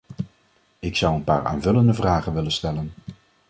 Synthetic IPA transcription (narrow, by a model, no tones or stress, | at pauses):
ɪksʌwənpa̰ːɹa̰ːnvɵləndəvraːχənʋɪlənstɛlən